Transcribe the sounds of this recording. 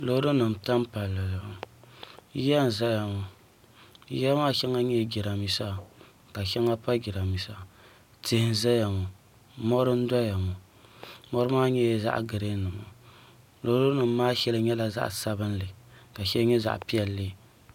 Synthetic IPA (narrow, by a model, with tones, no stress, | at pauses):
lo˦ɾo˦nɨ˨m̩˨ta˦m˦pa˨lːɨ˨l | jɛ˦n˨za˦ja˨ŋo˨˦ | jɛ˦maː˦ʃɛ˦ŋa˦ɲɛ˦ɡʲi˨ɾa˨mi˨sa˦˨ | ka˨ʃɛ˦ŋa˦pa˦ɡi˨ɾa˨mi˨sa˦˨ | tɪ˦hɪ˦nza˦ja˨ŋo˨ | mɔ˦ɾɨ˦n̩˦da˦ja˨ŋo˨ | mɔ˦ɾɨ˦maː˦ɲɛ˦˨za̰˦ʔɡɨ˨ɾe˦nɨ˨ma˨ | lo˦hɾo˦nɨ˨mː˦aː˦ʃɛ˦lɨ˦ɲɛ˦la˨za̰˦ʔsa˦bɨ˦n˦lɨ˨ka˨ʃɛ˦lɲɛ˦za̰˨ʔpi˦ɛ˦lːɨ˦˨